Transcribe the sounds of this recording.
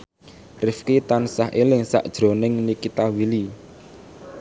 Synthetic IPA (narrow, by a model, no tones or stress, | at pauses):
rɪfkit̪ansaɦʔelɪŋsa̰ʔd̥ʒ̥ɾo̤nɪŋnikit̪awili